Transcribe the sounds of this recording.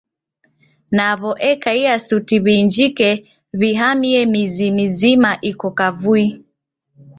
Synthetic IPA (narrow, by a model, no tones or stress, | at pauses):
naβɔʔɛkaiasutiβiːnd͡ʒikɛ | βiɦamiɛmizimizimaʔikɔkavui